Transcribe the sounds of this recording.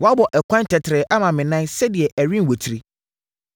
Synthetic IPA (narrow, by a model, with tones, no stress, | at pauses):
wɔ˨˦a˦bɔ˨ʔɛ˨kʰʷã˦n˦tʰɛ˨tʰɪ˨ɾɛ˨ʔa˦mã˨mɪ̃˨nã˦nsɛ˦di˨ɛ˨ʔæ˨ɥĩ˦n˨wo˨tʰi˨ɾi˦